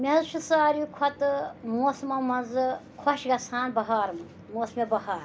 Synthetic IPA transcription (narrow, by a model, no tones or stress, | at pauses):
meɦɐzt͡ʃʰisaːɾukʰɔt̪ɨmoːsmɐmɐnzɨkʰɔʃɡɐsʰaːnbɐɦaːɾmɐ | moːsmebɐɦaːɾ